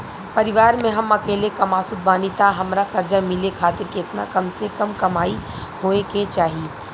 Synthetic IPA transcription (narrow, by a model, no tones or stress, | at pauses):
pɐɾɪʋaːɾmẽɦɐmɐkeːlekɐmaːsʊd̪̚baːnit̪aɦɐmɾakɐɾd͡ʒamɪlekʰaːt̪ɪɾkiɪt̪na̰kɐmsekɐmkɐmaːi | ɦoːeket͡ʃaːɦie